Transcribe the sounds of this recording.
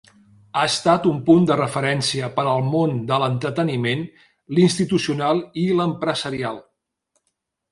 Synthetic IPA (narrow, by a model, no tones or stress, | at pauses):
aəst̪at̪umpund̪ərəfəɾɛnsiəpəɾəlˠmond̪ələnt̪ɾət̪ənimen | linst̪it̪usiunalˠiləmpɾəzəɾialˠ